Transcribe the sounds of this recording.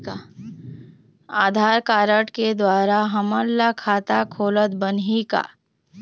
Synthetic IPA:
a | aːd̪ʱaːɾkaːɾəʈked̪waːɾaɦɐməlːakʰaːt̪akʰoːlət̪bənɦika̰ː

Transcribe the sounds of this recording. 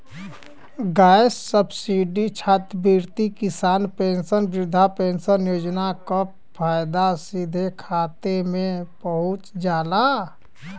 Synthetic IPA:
ɡajsːəbsiɖit͡ʃʰat̪biɾt̪ikisaːnpensənbɾud̪ʱːapensənjoːd͡ʒnakəp | pʰajd̪asid̪ʱekʰat̪emẽpəɦut͡ʃd͡ʒaːla

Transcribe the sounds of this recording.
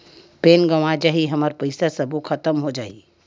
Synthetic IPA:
peːnɡɐʋãd͡ʒaːɦiɦɐmaɾpəɪsasɐbukʰɐt̪əmɦod͡ʒa̰ːi

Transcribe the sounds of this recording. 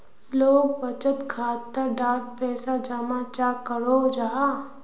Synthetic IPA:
loːɡ̚bət͡ʃət̪kʰaːt̪ːəɖaːɾʈ̚pɛːsad͡ʒamat͡ʃaːkəɾoːd͡ʒaː

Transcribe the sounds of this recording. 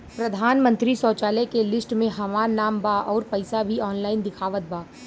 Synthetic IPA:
pɾɐd̪ʱaːnmə̃nt̪ɾisɔːt͡ʃaːlɛkelɪsʈmẽɦɐmaːɾnaːmbaːʔɔːɾpɐɪsabʱiɔːnlaːɪnd̪ɪkʰaːʋət̪̚baː

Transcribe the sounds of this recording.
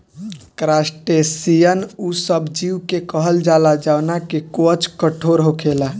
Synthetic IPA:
kɾasʈesijənusəbd͡ʒiwkekəɦəld͡ʒalad͡ʒawnakekot͡ʃkəʈʰoɾɦokʰela

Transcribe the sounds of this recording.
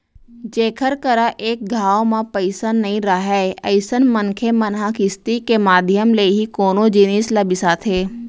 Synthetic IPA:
d͡ʒeːkʰəɾkəɾaʔeːk̚ɡʱaːʋmãpəɪsanɐɦĩɾəɦɛːəɪsənmənkʰemənɦãkɪst̪ikemaːd̪ʱjəmleɦikoːnod͡ʒɪniːsləbɪsat̪ʰeː

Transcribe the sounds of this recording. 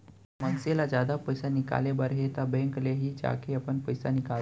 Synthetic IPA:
mənselad͡ʑad̪ʱapəjsanika̰lebəɾɦet̪abeŋkleɦiːd͡ʑa̰kʰeapəɳpəjsanika

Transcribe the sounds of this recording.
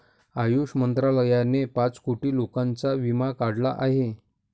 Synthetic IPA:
ajuʂmənt̪ɾaləjanepat͡skoʈiːlokãnt͡saʋimakaɽlaʔaɦe

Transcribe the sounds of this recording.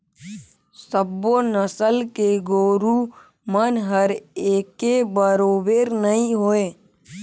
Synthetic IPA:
səbonəsəlkeɡoːɾu | mənɦəɾeːkebəɾoːbeːɾnəɦĩɦoːe

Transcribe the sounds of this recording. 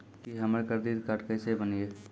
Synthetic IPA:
kiɦɐməɾkəɾd̪iːd̪kaʈkəsebənieː

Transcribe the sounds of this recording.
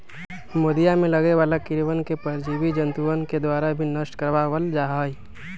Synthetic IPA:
moːd̪ijamẽləɡeʋaːlakɪɾʋənkepəɾd͡ʒiːʋid͡ʒə̃nt̪uənked̪waːɾabʱinəʃʈkəɾʋaʋəld͡ʒaːɦai

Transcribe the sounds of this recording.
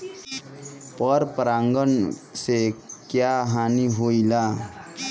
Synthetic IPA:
pəɾpəɾãŋɡənsekjaɦaniɦoila

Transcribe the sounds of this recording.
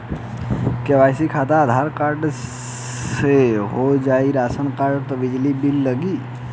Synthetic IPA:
keʋajsikʰat̪aːd̪ʱaɾkaɾɖ | seɦod͡ʒaiɾasənkaɾɖt̪ɔbid͡ʒlibilːəɡi

